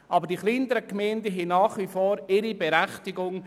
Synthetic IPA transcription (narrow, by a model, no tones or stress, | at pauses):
ʔɑbəɾdiχlintəɾəkmɛɪndəɦɛnɑːχʋifoːɾɪɾibɛɾæχtɪɡʊŋ